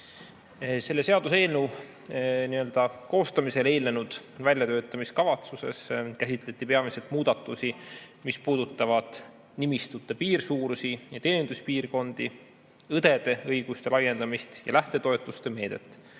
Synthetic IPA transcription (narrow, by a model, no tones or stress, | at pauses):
se̞lːe̞se̞ɑd̪̥use̞ːlnuw | niø̞ld̪̥ɑko̞ːst̪ɑmise̞le̞ːlnenud̪̥vælʲjɑt̪øːt̪ːˑɑmiskɑvɑt̪suse̞̰skæsit̪ˑle̞t̪ʲːˑipe̞ɑmise̞lt̪ˑmuːd̪̥ɑt̪ːˑusi | mispuːd̪̥ut̪ˑːɑvɑd̪̥ | nimist̪ut̪ːˑepiːrsuːɾusijɑt̪e̞ːnʲind̪̥uspiːrko̞nd̪̥i | ɤd̪̥e̞d̪̥e̞ɤjɡ̥ust̪e̞lɑjːe̞nd̪̥ɑmist̪jɑ̰læht̪e̞t̪o̞e̞t̪ːˑust̪e̞me̞ːd̪̥e̞̰t̪ːˑ